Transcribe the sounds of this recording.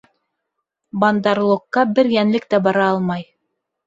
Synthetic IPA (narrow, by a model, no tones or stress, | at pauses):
bɑnd̪ɑɾlˠŏkːɑbɘɾjænlɘkt̪æbɑɾɑɑlˠmɑj